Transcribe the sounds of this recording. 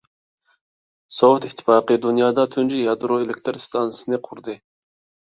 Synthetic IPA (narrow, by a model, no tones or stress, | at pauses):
sowt̪ɪt̪ʰːɪ̥fɑːqɨd̪unjɑːd̪ɑt̪ʰynd͡ʒijɑd̪uɾoelɪkʲt̪ʰɾst̪ʰɑnɨsɨnɨqʰuɾd̪ɨ